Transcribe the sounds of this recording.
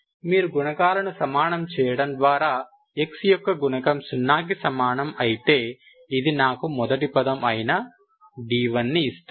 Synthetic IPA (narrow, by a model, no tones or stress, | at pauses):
miːɾuɡuɳɐkaːlɐnusɐmaːnɐmt͡ʃɛːjɐɽɐmd̪ʋaːɾaː | eksijɔkːɐɡuɳɐkɐmsunːaːk̬isɐmaːnɐmɐjit̪e̞ː | id̪inaːkumɔd̪ɐʈipɐd̪ɐmɐjnɐ | ɖiːʋɐnːiːst̪u